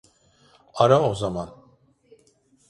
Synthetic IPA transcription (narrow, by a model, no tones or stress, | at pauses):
aɾaozaman